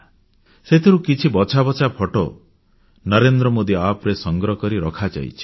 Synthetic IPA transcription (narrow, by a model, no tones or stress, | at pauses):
set̪ʰiɾukit͡ʃʰibɔt͡ʃʰabɔt͡ʃʰapʰɔʈɔ̰ | nɔɾend̪ɾɔmod̪iapɾesɔŋɡɾɔkɔɾiɾɔkʰad͡ʒa̰j̰t͡ʃʰi̥